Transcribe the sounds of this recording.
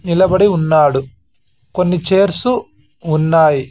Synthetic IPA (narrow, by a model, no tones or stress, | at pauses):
nilɐbɐɽiunːaːɽu | ko̞nːit͡ʃe̞ːɾsuː | nːaːji